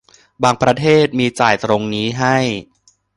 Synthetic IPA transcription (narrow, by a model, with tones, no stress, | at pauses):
baː˧ŋpɾa˧t̪ʰeː˥˩t̪̚miː˧t͡ɕaː˨˩jt̪ɾo˧ŋniː˦˥ɦa˥˩j